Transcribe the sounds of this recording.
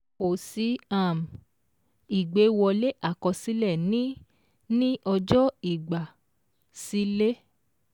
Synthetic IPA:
o˨si˨˦a˦˨m˨ | i˨ɡ͡be˨˦wɔ˧le˦ʔa˦˨kɔ̃˧si˨˦lɛ˦˨nĩ˦ | nĩ˦ʔɔ˧d͡ʒɔ˦i˦˨ɡ͡ba˨ | si˨˦le˦

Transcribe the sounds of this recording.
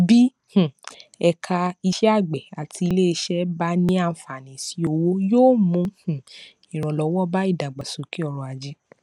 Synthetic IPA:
bi˦ | h̩˨ɛ˧kʰa˧i˧ʃɛ˦a˦˨ɡ͡bɛ˨a˨tʰi˧i˧le˦i˧˦ʃɛ˦ba˦nĩ˦ã˦˧˨fa˨nĩ˨˦si˧˦o˧wo˦joː˦˨mũ˧˦hũ˨ | ĩ˨ɾ̃ɔ̃˨lɔ˨˧wɔ˦ba˦i˦˨da˨ɡ͡ba˨so˨˦ki˦ɔ˧ɾɔ̃˧a˧d͡ʒi˦

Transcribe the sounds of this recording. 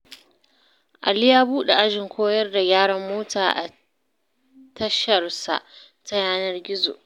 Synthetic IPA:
ʔa̰˨lɪ˦jaː˦buː˦ɗe˨ʔa˦ʒɪ˨ŋkʷʰoː˦jɐ˦rda˨ɡʲaː˦ɽɐ˦mːoː˦tʰaː˨ʔa̰˨ | tɐ˦ʃɐ˨rsa̰˨ʔ | ta˦jaː˦nɐ˦rɡʲɪ˦zo̰˨ʔ

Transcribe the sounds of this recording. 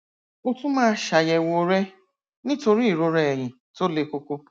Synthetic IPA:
o˦tu˦mãː˦ʃa˨je˨wo˨ɾe˦ | nɪ̃˦to˨ɾi˦˨ɾo˦ɾe˦˨ɦɪ̃˨ | to˦le˨ko˦ko˦

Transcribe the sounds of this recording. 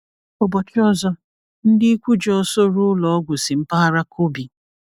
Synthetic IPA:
o˨bɔ˨t͡ʃɔ˦zɔ˦ | n̩˦dɪ˦kʷu˦d͡ʒɔ˦ɔ˦so˦ɾʊ˦lɔ˨ɔ˦ɡʷʊ˨sɪ˨m̩˦pa˦ɾa˦kʰo˦bi˨

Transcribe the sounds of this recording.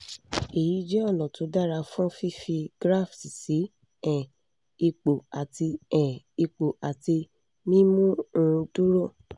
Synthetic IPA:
e˨ji˨˦d͡ʒɛ˦ɔ˦˨lɔ̃˨to˨˧˦da˦˨ɾa˧fũ˦fi˦fi˧ɡ̥ɾa˦˨fsi˨si˨˦ | ɛ̃˨ | i˧k͡po˨a˨ti˧ɛ̃˨ | i˧k͡po˨a˨ti˧ | nĩ˦mũ˦˧tu˦ɾo˦˨

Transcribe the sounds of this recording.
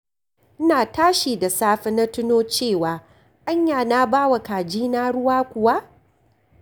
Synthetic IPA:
ʔɪ˦naː˨taː˦ʃiː˨da˨saː˦ɸɪ˦na˦tʊ˦noː˦t͡ʃeː˦˨waː˨ | ʔa˦ɲjaː˨naː˦baː˦wa˨kaː˨d͡ʒiː˦naː˦ɽʊ˦waː˦kʷʊ˨wa˦ʔ

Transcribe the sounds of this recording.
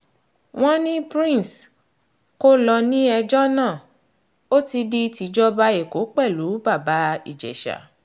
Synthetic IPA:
w̃ɔ̃˦nĩ˦pɾĩ˦˨s | ko˦lɔ˧nĩ˦ɛ˧d͡ʒɔ˦nãː˦˨ | o˦ti˧di˧ti˨˧d͡ʒɔ˦ba˧˦e˨ko˨˦k͡pɛ˦˨lu˨˦ba˦˨ba˨˦ḭ˦˨d͡ʒɛ̰˨ʃa̰˨

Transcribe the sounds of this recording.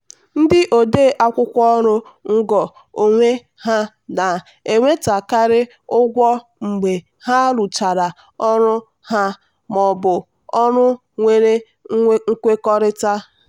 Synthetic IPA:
n̩˦dɪ˦ʔo˨deː˦ʔa˦kʷʊ˦kʷɔ˦ɔ˦ɾʊ˦ŋ̩˦ɡɔ˨ | o˨ŋʷe˦ | ha˦ | na˨ | e˨ŋʷe˦ta˨ka˦ɾɪ˦ | ʊ˦ɡʷɔ˦ | ŋ͡m̩˨ɡ͡be˨ | ha˦ɾu˨t͡ʃa˨ɾa˨ | ɔ˦ɾʊ˦ | ha˦ | mɔ˨bʊ˨ | ɔ˦ɾʊ˦ | ŋʷe˦ɾe˦ | ŋ̩˦kʷe˦kɔ˦ɾɪ˦ta˦

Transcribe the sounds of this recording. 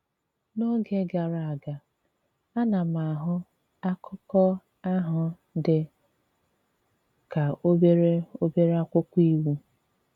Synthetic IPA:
no˦ɡe˦ɡa˨ɾa˨a˨ɡa˨ | a˦na˨ma˨ɦʊ˦ | a˦kʰʊ˦kɔ˦ | a˦ɦʊ˨ | dɪ˨ | ka˨o˦be˦ɾe˦o˦be˦ɾa˦kʷʊ˦kʷi˦wu˦

